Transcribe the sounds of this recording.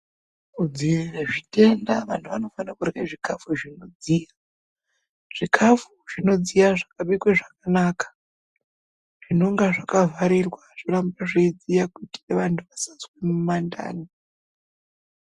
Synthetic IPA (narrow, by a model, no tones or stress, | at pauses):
ud͡ziireʐite̞ndaʋantʰuʋano̞fanakurɡeʐikafuʐino̞d͡zija | ʐ̥ikʰafuʐino̞d͡zijaʐakaɓikweʐakanaːkḁ | ʐ̥ino̞ŋɡaʐakavʱaɾirwaʐ̥irambaʐeid͡zijakutireʋantʰuʋasḁswemumanda̰ːni